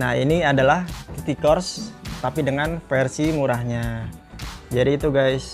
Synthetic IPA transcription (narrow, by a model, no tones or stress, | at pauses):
na̰hḭniadalahk̪it̪ikɔrst̪apidəŋanfɛrsimuɾahɲa | d͡ʒadiːt̪uɡajs